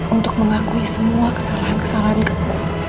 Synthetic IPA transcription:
ʔunt̪ʊk̚məŋakuisəmuakə̥salaɦankə̥salaɦankəkuu

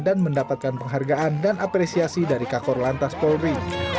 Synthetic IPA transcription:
danməndapat̪̚kanpəŋɦarɡaʔandanʔapɾesiasidaɾikakɔrlant̪aspɔlri

